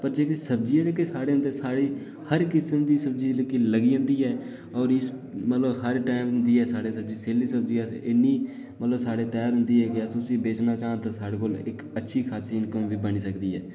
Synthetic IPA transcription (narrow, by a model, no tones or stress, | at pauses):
pəɾd͡ʒeːkesəbd͡ʒiːɛːd͡ʒeːkeːsaːɽeːɦʊ̃nd̪eːsaːɽiː | həɾkɪsəmd̪iːsəb̚d͡ʒiːləkiːləɡiːõːnd̪iːɦɛː | ɔːɾɪsmət̪ləbɦəɾʈaːɪmɦʊnd̪iːɦɛːsaːɽeːsəb̚d͡ʒiːseːliːsəb̚d͡ʒiːasɪnːiː | mət̪ləbsaːɽeːt̪ɛːɾɦʊ̃nd̪iːɦɛːkɪəsʊsibeːt͡ʃnaːt͡ʃaːnt̪aːsaːɽeːkoːlɪk | ətːʃʰiːkʰaːsiːnkəmʋiːbəniːsəkd̪iːɦɛː